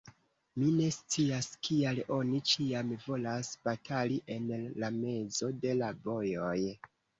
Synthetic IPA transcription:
mine̞st͡siaskialo̞nit͡ʃiamvo̞lasb̥atʰaliʔe̞nlame̞zo̞de̞labo̞joj

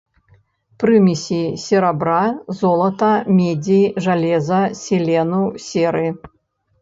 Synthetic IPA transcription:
pɾɨmʲisʲisʲɛɾabɾazɔlˠɐt̪ɐmʲɛd͡zʲiʐalʲɛzɐsʲɛlʲɛnusʲɛɾɨ

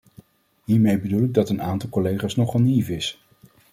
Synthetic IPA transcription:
ɦiːɹmejbədulɪɡ̚dɑtənaːntɑlˠkɔlejχaːsnɔχɑnivɪs

